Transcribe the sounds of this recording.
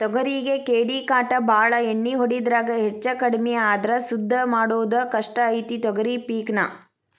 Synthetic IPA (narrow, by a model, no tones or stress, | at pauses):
t̪ɔɡɐɾiɡekeːɽiːkaːʈɐbʱaːɭɐeɳːiɦoɽid̪ɾaːɡɐɦet͡ʃːɐkɐɽmɛjɐaːd̪ɐɾɐsud̪ʱːɐmaːɽoːd̪ɐkɐʂʈɐːjt̪it̪ɔɡɐɾipiːkɳɐ̰